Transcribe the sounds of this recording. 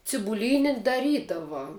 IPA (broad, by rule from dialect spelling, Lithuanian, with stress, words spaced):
t͡sʲɪbʊˈlʲiːnʲɪ dɐˈrʲiːdɐʋɐ